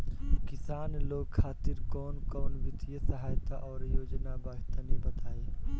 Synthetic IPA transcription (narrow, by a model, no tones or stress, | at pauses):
kɪsaːnloːɡ̚kʰaːt̪ɪɾkɔːnkɔːnʋɪt̪ɪjəsəɦaːjt̪aʔɔːɾjoːd͡ʒnabaɦt̪anĩbɐt̪aːeː